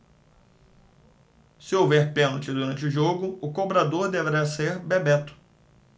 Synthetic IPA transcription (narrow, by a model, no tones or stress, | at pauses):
sɪowvɛɾpẽnt͡ʃɪd̪uɾɐ̃nt͡ʃɪʊʒoɡʊʊkobɾad̪oɾd̪eveɾaseɾbebɛt̪ʊ̥